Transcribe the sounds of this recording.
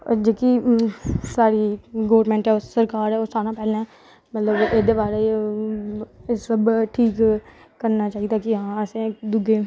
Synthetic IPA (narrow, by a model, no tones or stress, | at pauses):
d͡ʒeːki | saːɾiɡoːɾmɛ̃ːɳʈɦɛːosəɾkaːɾɛːoːsaːnãːpɛːlɛː | mət̪ləbeːd̪eːbaːɾe | səbʈʰiːk | kːəɾnaːt͡ʃaːit̪aːkiɦãːəsẽd̪ʊɡeː